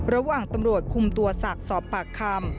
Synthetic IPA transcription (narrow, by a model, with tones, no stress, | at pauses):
ɾa˧waː˨˩ŋt̪a˧mɾu˨˩ət̪̚kʰu˧mt̪u˧ɐsa˨˩k̚sɔː˨˩˦pːaː˨˩kʰːaː˧m